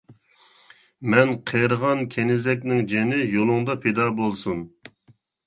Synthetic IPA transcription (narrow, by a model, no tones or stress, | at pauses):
mɛnqʰeɾʁɑnkʲʰenɪzɛk̬ʲnɪŋd͡ʒenɪjolˠʊŋd̪ɑpʰed̪ɑːbolˠsun